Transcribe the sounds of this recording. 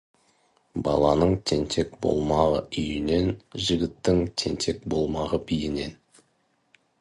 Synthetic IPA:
bɑlˠɑnəɴt̪ʰe̞nt̪ʰe̞kbo̞̰lˠmɑʁə̰ʏjɪne̞nʒɪɡʲɪt̪ːɪŋt̪ʲʰe̞nt̪ʰe̞k̚bo̞lˠmɑʁəbijɪne̞n

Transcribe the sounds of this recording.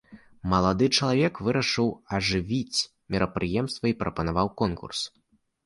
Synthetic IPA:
mɐlˠad̪ɨt͡ʂɐlˠavʲɛkvɨɾɐʂɨwɐʐɨvʲit͡sʲ | mʲɛɾɐpɾʔɨjɛmst̪vɐipɾɐpɐnavawkɔnkṵrs

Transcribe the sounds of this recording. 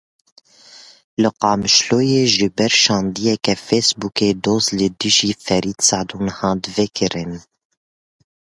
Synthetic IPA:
lɨqɑːmɨʃloːjeːʒɨbɛɾʃɑ̃ːnd̪ijɛkɛfeːsbuːkeːd̪oːzlɨd̪ɨʒiːfɛɾiːt̪sɑʕd̪uːnhɑ̃ːd̪vekʰɨɾɨn

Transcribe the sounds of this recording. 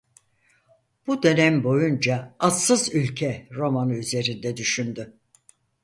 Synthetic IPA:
b̥ud̪ø̞nɛmbo̞jund͡ʒaːt̪sɯzylʲcʰɛɾo̞manɯyze̞ɾind̪ɛd̪yʃynd̪y

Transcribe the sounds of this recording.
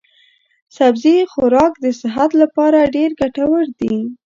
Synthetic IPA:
sabzixʊɾɑkd̪əsɪɦat̪lapɑɾaɖeɾɡaʈawəɾd̪i

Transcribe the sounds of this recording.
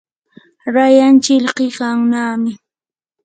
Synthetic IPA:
ɾajant͡ʃɪʎɢɪkaŋnaːmɪ

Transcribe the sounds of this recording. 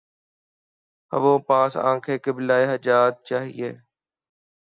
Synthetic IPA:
ə̰ʋõːpãːsã̰ːkʰeːkebɪlaːeɦəd͡ʒaːt̪̚t͡ʃaːɦḭeː

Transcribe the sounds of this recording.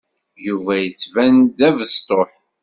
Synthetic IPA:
juvæjət͡sːvænd̪ævəst̪oħ

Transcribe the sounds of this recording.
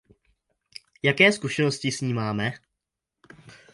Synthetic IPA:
jakɛːskuʃɛnoscɪsɲiːmaːmɛ

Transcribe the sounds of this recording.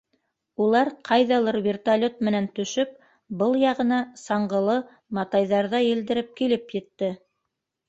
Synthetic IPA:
ulˠɑɾqʰɑjðɑlˠɤɾvʲert̪alʲot̪̚mɘ̆nænt̪ɵ̆ʃɵp̚ | bɤlˠjɑʁɤ̆nɑsɑɴɢɤ̆lˠɤ | mɑt̪ɑjðɑɾðɑjɘ̆ld̪ɘ̆ɾɘp̚kilɘpjɘ̆t̪ːɘ

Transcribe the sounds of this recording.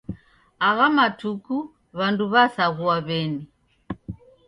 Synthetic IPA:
aɣamatuku | βanduβasaɣuaβɛni

